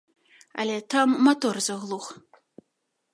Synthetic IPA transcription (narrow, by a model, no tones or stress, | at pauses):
ɐ̰lʲɛt̪amːat̪ɔrzɐɣlˠux